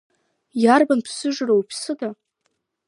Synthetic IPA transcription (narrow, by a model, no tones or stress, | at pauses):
jarbanpʰsɨʐrowpʰsɨda